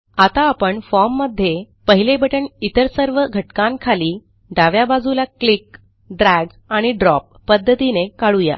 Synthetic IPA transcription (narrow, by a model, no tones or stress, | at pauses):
at̪aːpəɳfɔɾmːəd̪ʱːje | pəɦilebʱəʈəɳit̪əɾsəɾʋəɡʱəʈkãnkʰaliː | ɖaʋjabad͡zulaklik | ɖɾæɡ | aɽ̃iɖɾɔp̚ːəd̪ːət̪inekaɭuja̰